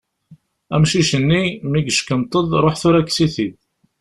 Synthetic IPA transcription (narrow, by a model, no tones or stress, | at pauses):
æmʃiʃənːimiɡəʃkənt̪ˤəðˤɾˤoħθʊɾækːsiθið